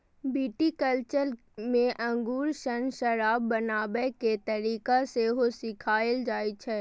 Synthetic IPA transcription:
biːʈikəlt͡ʃəɾ | mẽʔɐ̃ŋɡuːɾʃənʃɐɾaːbːɐnaːbɛket̪ɐɾiːkaseɦosɪkʰaːɪld͡ʒaːit͡ʃʰɛː

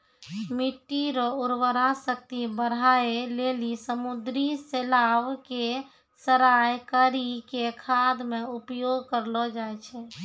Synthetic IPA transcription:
miʈːiɾɔuɾʋəɾasəkt̪ibəɽ̤aelelisəmud̪ɾiselaʋke | səɾajkəɾikekʰad̪meupjoɡkəɾlɔd͡ʒajt͡ʃʰɛ

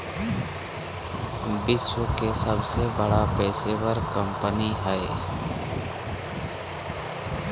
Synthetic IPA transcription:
bɪswəkesəbsebəɽapɛːsebəɾkə̃mpəniɦɛe

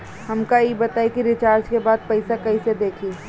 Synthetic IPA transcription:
hɐmkaibɐt̪aːikiɾɪt͡ʃaːɾd͡ʒkebaːd̪̚pɐɪsakɐised̪eːkʰiː

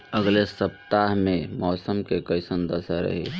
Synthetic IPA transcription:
əɡlesəp̚t̪aɦmẽmɔːsəmkekəɪsənd̪əsaɾə̰ɦḛ

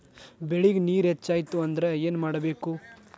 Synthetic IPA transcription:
beɭiɡniːɾɦet͡ʃːaːjt̪uɐnd̪ɐɾe̞eːnmaːɽɐbeːku

